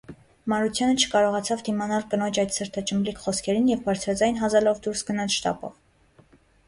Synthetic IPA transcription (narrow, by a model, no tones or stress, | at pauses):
mɑɾut͡sʰjɑnət͡ʃʰə̥kɑɾɔʁɑt͡sʰɑvd̪imɑnɑlkənɔt͡ʃʰɑjd̪səɾt̪ʰɑt͡ʃəmlikʰχɔskʰɛɾinjɛvbɑɾt͡sʰɾɑd͡zɑjnɦɑzɛlɔvd̪uɾsɡənɑt͡sʃt̪ɑ̰pɔ̰v